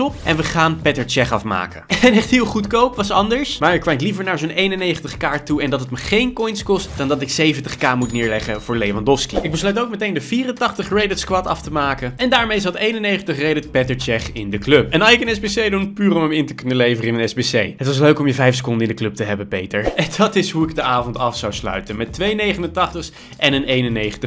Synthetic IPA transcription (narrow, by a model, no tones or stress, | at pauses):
ɔpʔɛnʋəχaːnpɛtəɹt͡ʃɛχɑfma̰ːkəɛnɛχtɦɪːlˠχutkowpʋɑsɑndəɹsmaːɹɪkʋɛjtlivəɹnaːɹzownʔejnənːejχəntəχkaːɹtːuɛndɑtətməχejnkɔjnskɔstdɑndɑtɪksejvəntəχkaːmutnɪːɹlɛχəvʊːɹlejvɑndɔfskiɪɡ̚bəslœɥtowk̚mətejndəviːrəntɑχtəχrejdɪtskʋɑtɑftəmaːkəɛndaːɹmejzɑtejnənːejχəntəχrejdɪtpɛtəɹt͡ʃɛχɪndəklɵpɛnɑsɪkənɛzbesejdunpyːrəɔməmɪntəkɵnəlejvərəɪnənɛzbesejɦətʋɑs̬løɥkɔmjəvɛjfsə̥kɔndəɪndəklɵp̚təɦɛbəpejtəɹɛndɑtɪsɦuɪɡ̚dəaːvɔntɑfsawslœ̰ɥtənmɛtːʋejnejχənəntɑχtəχ | ʔɛnənejnənejχəntəχ